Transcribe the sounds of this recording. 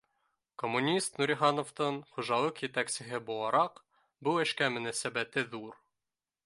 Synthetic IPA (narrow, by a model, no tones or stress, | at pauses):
komːunʲist̪nuɾʲiχɑnoft̪ɤɴχŭʒɑlˠɤqjɘ̆t̪æksɘ̆ɦɘbulˠɑɾɑq | buɘ̆ʃkæmɵ̆næsæbæt̪ɘðuɾ